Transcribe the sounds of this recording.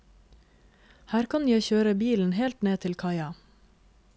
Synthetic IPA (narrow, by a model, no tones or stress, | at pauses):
hæːɾkʰɑnjæɪçøːɾəbiːln̩heːlt̪neːt̪ʰɪlkʰɑɪɑ